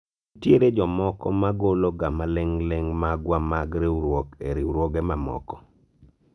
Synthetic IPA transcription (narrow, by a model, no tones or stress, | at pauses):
tjeɾed͡ʒɔmɔkɔ̰maɡoloɡamaleŋleŋmaɡwamaɡɾeuɾwɔkeɾiɾwoɡemamɔ̰kɔ̥